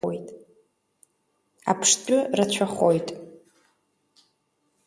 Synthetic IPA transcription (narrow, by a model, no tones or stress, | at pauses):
ojtʼ | a̰pʰʂtʷʼʊrat͡ɕʷʰaχojtʼ